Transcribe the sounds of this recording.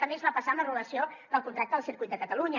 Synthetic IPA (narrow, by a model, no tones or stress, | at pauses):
əmezβapəsanəruləsioðəlˠkunt̪ɾak̚t̪əðəlˠsiɾkujt̪d̪əkət̪əluɲə